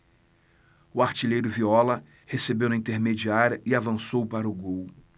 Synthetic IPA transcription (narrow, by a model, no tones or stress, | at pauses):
ʊaɾt͡ʃiʎejɾʊviɔlɐ | hesebewnɐĩt̪eɾmed͡ʒiaɾjɐʔɪavɐ̃sowpaɾɐʊɡow